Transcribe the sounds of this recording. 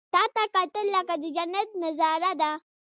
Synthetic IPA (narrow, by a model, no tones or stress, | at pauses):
tatakatɐlːakadid͡ʒɐnɐt̚nɐzaːɾada